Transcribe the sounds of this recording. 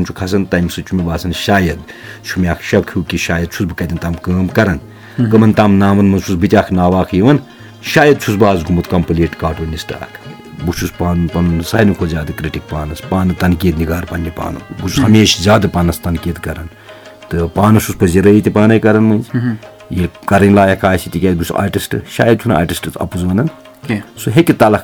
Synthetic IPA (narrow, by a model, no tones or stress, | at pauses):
nt͡ʃʰukʰɐs̬ɐnt̪ɐjmsɨt͡ʃʰumibaːsɐnʃaːjɐd̪̚t͡ʃʰumʲaːkʰʃɐbkʰiːkʲiʃaːjɐd̪̚t͡ʃʰusbɨkɐt̪ʲint̪amkɐːmkɐɾɐn | kɐmɐnt̪aːmnaːmɐnmɐnt͡ʃʰusbɨt̪ʲaːkʰnaːʋaːkʰjiʋɐn | ʃaːjɐd̪̚t͡ʃʰusbaːzɡumɐt̪kɐmpɐleːʈkaːʈuːnisʈa̰ːkʰ | but͡ʃʰuspaːnpɐnsaːjnikʰozʲaːd̪ɐkɾiʈik̚paːnɐspaːnɐt̪ɐnkiːd̪niɡaːɾpɐnːipa̰ːnɐ̰but͡ʃʰushɐmeːʃzʲaːd̪ɐpɐnɐst̪ɐnkʲiːt̪kɐɾɐn | t̪ɨpaːnɐsuspɐziɾɐjit̪ʲipaːnɐjkɐɾɐnmɐnʲz | jilʲkɐɾɐnʲlaːjɐkʰaːsit̪ikʲeːt̪̚ɡusa̰ːʈisʈɨʃa̰ːjɐd̪̚t͡ʃʰuna̰ːʈisʈɨt͡sʰɐ̰puzʋɐnɐn | suɦekʲit̪ɐlɐk